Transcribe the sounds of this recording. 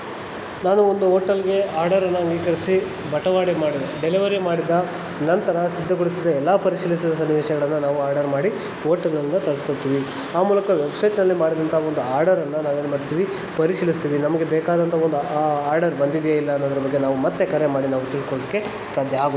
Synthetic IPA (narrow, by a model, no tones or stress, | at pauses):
naːnuond̪uoːʈɐlɡe̞aːɾɖɐɾɐnːɐɐŋɡiːkɐɾisi | bɐʈɐʋaːɽemaːɽid̪eɖeliʋɐɾimaːɽid̪ɐ | nɐnt̪ɐɾɐsid̪ʱːɐɡoɽisid̪ːɐɛlːaːpɐɾisiːlisid̪ɐsɐnːiʋɛːʃɐɡɐɭɐnːɐnaːʋuaːɾɖɐɾmaːɽi | oːʈɐlɐnːɐt̪ɐɭɐskoɭt̪iːʋi | aːmuːlɐkɐʋebsɐjʈnɐlːimaːɽid̪ɐnt̪ʰɐɐond̪uaːɾɖɐɾɐnːɐnaːʋenumɐːɽt̪iːʋi | pɐɾiʃilist̪iːʋinɐmɐɡe̞bɛːkaːd̪ɐnt̪ʰɐo̞nd̪uaaːɾɖɐɾbɐnd̪id̪ijeːilːɐːnːod̪ɐɾɐbɐɡːe̞naːʋumɐt̪ːe̞kɐɾjemaːɽinaːʋut̪iɭkoɭod̪iɐkːe̞ | saːd̪ʱjɐaːɡu